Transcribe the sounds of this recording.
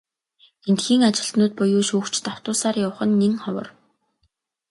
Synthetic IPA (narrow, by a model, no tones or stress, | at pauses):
ent̪xiːŋat͡ɕɪ̆ɬt̪nʊːt̪̚pʊjʊːʃuːkt͡ɕʰt̪aw̥t̪ʊːsaːrjawχə̆nːeŋχɔwə̰̆r